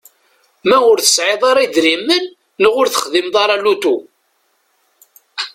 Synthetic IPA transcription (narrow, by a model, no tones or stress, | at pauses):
mæʊɾθə̥sʕɪðˤɑɾˤiðɾimːənː | əʁʊɾθə̥χðimðˤɑɾˤɑlut̪u